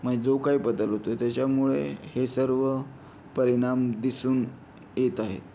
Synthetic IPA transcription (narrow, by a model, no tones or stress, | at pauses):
məd͡zokaiːbəd̪əlɦot̪ot̪jat͡ɕjamuɭḛhesəɾʋə | pəɾiɽ̃amd̪isuːn | jet̪aɦḛt̪